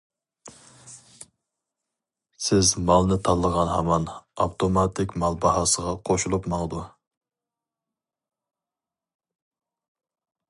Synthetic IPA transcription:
sɪzmɑlˠnɨt̪ʰɑlˠːəʁɑnhɑmɑnɑpt̪ʰomɑt̪ʰɪkʲmɑlˠbɑhɑːsəʁɑqʰoʃulˠupmɑŋəd̪u

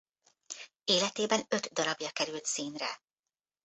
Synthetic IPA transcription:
eːlɛt̪eːbɛnø̞t̪d̪ɒɾɒbjɒkɛɾylt̪siːnrɛ̰

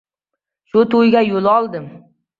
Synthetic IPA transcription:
ʃʊt̪ʊjɡʲajolɒlˠd̪ɪm

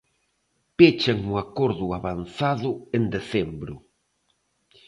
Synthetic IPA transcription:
pet͡ʃaŋʊakoɾðʊaβanθaðʊend̪eθembɾʊ̰

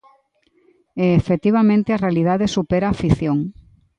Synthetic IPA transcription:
eːfet̪iβ̞amẽnt̪earealiðaðesupeɾaːfiθjoŋ

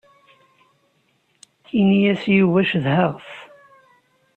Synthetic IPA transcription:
inijæsjuvæʃðhəʁθ

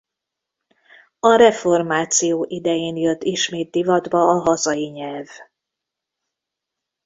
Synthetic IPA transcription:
ɒɾɛfo̞rmaːt̪sijoːʔid̪ɛjeːnjøt̪ːiʃmeːt̪̚d̪ivɒd̪bɒːɦɒzɒjiɲɛlv

